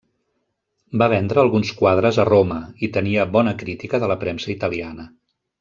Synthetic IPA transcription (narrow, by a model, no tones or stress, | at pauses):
baβ̞ɛnd̪ɾəːlˠɣunskwað̞ɾəzəroməit̪əniəβɔnəkɾit̪ikəðələpɾɛmsəit̪əlianə